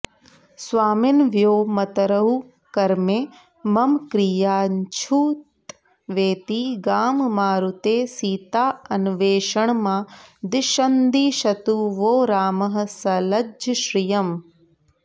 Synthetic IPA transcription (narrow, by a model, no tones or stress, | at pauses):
sʋaːmɪnʋjoːmɐt̪ɐɾɐɦu | kɐɾmeː | mɐmkɾijaːnt͡ʃʰuːt̪ | ʋeːt̪iːɡaːmmaːɾut̪eːsiːt̪aːɐnuʋeːʃɐɳ̃mãːd̪ɪʃɐnd̪iːʃɐt̪uːʋoːɾaːmɐɦsɐlɐd͡ʒʃɾijɐm